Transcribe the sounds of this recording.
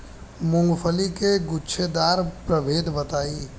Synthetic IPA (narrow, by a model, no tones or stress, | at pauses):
mʊ̃ŋɡpʰəlikeɡʊtːʃʰed̪aːɾpɾəbeːd̪bət̪aːi